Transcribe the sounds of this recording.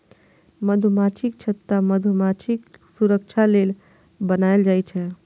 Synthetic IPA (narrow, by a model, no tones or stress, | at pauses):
məd̪ʱumat͡ʃʰik̚t͡ʃʰət̪ːaməd̪ʱmat͡ʃʰiksuɾəkt͡ʃʰalel | bənaeld͡ʒajt͡ʃʰɛ